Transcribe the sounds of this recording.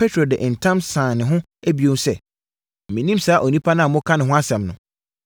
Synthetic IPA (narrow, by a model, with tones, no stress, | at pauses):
pʰe˦tʰɾo˨dɪ˨ʔn̩˨tʰã˦msãː˨nɪ̃˨ɦʊ̃˦ | æ˦bi˨õ˦sɛ̰˦˨ | mĩ˨nĩ˦msaː˨˦ʔo˨nĩ˦pʰa˦nã˦˨mʊ̃˦kʰã˦nɪ̃˨ɦʊ̃˦a˦sɛ̃˨mnʊ̃˨